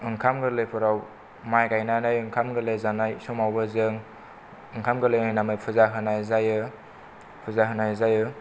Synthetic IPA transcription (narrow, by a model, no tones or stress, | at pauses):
ɯŋkʰamɡɯlepʰɯɾaw | majɡajnanajɯŋkʰamɡɯlezanajsɔmawbɯzɯŋ | ɯŋkʰamɡɯlejnajnamɯjpʰuzaɦɯnajzajɯ | pʰuzaɦɯnajzajɯ